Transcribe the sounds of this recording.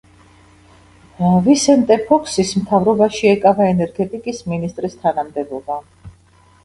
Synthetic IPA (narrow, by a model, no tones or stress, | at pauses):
visɛnt̪ʼɛpʰɔkʰsismt̪ʰavɾɔbaʃiɛkʼavaɛnɛɾɡɛt̪ʼikʼisminist̪ʼɾist̪ʰanamd̪ɛbɔba